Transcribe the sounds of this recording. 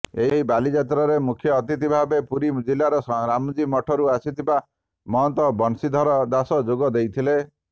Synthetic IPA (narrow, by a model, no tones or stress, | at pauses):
eɦɦibalid͡ʒat̪ɾɔɾemukʰjɔːt̪it̪ibʱabepuɾimd͡ʒilːaɾɔsɔɾamɔd͡ʒimɔʈʰɔɾuasit̪ʰiba | mɔɦɔnt̪ɔbɔnsid̪ʱɔɾɔd̪asɔd͡ʒoɡɔd̪ejt̪ʰile